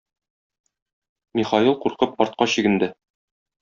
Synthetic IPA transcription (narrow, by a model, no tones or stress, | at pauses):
miχɑjilˠquɾqɤp̚ɒɾt̪̚qɑɕĭɡɘ̆nd̪ɘ